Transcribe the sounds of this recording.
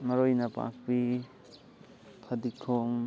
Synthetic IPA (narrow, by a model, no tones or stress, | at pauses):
mɐɾojnapa̰k̚bi | pʰad̪ikʰːoŋ